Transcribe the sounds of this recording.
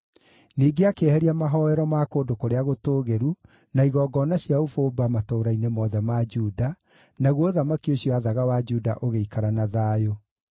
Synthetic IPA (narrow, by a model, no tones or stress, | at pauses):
niːɡeakeɛhɛɾiamaɦɔɛɾɔmakoːdokoɾeaɣotoːɣeɾu | naiɣɔːɡɔnaɕjaofoːbamatoːɾainemɔðɛmad͡ʒuːda | naɣwoðamakioɕjɔaðaɣawad͡ʒuːda̰ʔoɣeikaɾanaðaːjo